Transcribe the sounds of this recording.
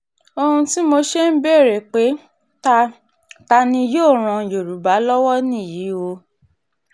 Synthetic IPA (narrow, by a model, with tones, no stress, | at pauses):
o˧hũ˧ti˦mo˧ʃe˦n̩˦bɛ˦˨ɾe˨k͡pe˨˦ | ta˧ | ta˧nĩ˧joː˦˨ɾ̃ã˧˨jo˨ɾu˨ba˨˦lɔ˦wɔ˦nĩ˦˨jiː˨˦o˧